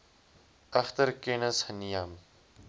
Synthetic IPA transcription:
ɐxt̪ɐɾkeːnɐshɐnijaːm

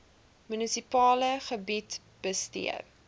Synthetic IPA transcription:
mynisipɑːləχəbit | b̥əstḭə̰

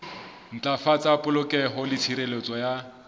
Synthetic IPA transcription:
n̩t͡ɬʼafat͡sʼapʼʊlʊkʼɛɦɔlɪtʰiɾelet͡sʼɔja

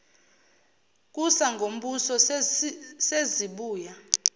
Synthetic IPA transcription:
k̬ʼusaŋɡʱom̩ɓusɔ | seziɓuːja

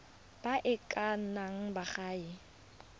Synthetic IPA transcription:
b̥aʔɪkʼan̩naŋ̩baχaːɪ

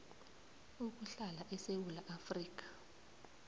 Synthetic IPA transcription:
uk̬uɬalaʔɛsewulaʔafriːk̬ḁ

